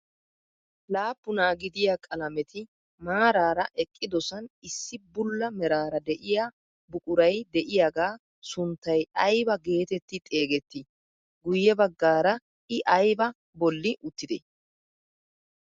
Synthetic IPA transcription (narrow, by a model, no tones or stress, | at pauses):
laːpːʊnaːɡɪd̪ɪjakʼɐlɐmɛt̪ɪ | maːɾaːɾɐʔɛkʼːɪd̪ɔsɐnɪsːɪbʊlːɐmɛɾaːɾɐd̪ɛʔɪja | bʊkʼʊɾɐjd̪ɛʔɪjaːɡaː | sʊnt̪ːɐjɐjbɐɡe̞ːt̪ɛt̪ːɪt̪ʼe̞ːɡɛt̪ːɪ | ɡʊjːɛbɐɡːaːɾɐ | ɪʔɐjbɐ | bɔlːɪʔʊt̪ːɪd̪ɛ̰